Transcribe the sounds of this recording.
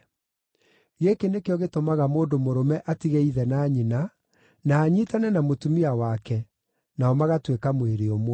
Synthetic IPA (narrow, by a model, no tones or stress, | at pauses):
ɣekenekeɔɣetomaɣamoːndomoɾomɛʔatiɣɛiðɛnaːɲina | naːɲitanɛnamotumiawakɛ | naɔmaɣatwekamweɾeomwɔ